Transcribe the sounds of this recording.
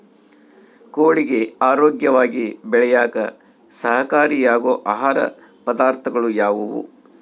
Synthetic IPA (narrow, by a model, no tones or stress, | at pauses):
koːɭiɡe̞aːɾoːɡjɐʋaːɡibɛɭɛjaːkɐ̰ | sɐɦɐkaːɾiːjaːɡoːʔaːɦaːɾɐ̰ | pɐd̪aːɾt̪ʰɐɡɐɭujaːʋuʋṵ